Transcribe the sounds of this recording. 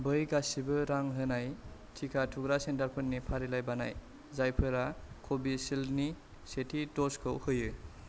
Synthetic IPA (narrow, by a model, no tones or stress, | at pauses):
bɯjɡasibɯɾaŋɦɯnaj | tʰikʰatʰuɡɾasentaɾpʰɯnːipʰaɾilajbana̰j | zajpʰɯɾakʰobisilni | setʰidɔskʰɯwhɯjɯ